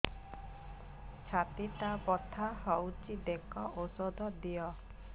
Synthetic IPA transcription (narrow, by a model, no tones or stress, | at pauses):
t͡ʃʰat̪it̪apɔt̪ʰahɔwt͡ʃid̪ekɔʔosod̪ʱɔd̪ijɔ